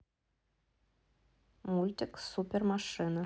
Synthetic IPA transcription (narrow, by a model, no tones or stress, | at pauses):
mulʲtʲɪksupʲermaʂɨnə